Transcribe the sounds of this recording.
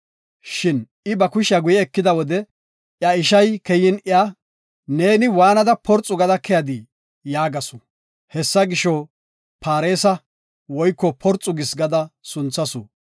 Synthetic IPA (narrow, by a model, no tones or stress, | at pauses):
ʃɪn | ɪbɐkʊʃɐɡʊjɛːkːɪd̪ɐwɔd̪ɛ | ʔjɐɪʃ̬ɐjkɛjːɪnɪa | neːnɪwaːnɐd̪ɐpɔɾt͡sʼːʊɡɐd̪ɐkːɛjɐd̪ɪ | jaːɡɐsʊ | hɛsːɐɡɪʃɔ | paːɾe̞ːsɐ | wɔjkːɔpʰɔɾt͡sʼːʊɡɪsɡɐd̪ɐsʊnt͡sːɐsʊ̰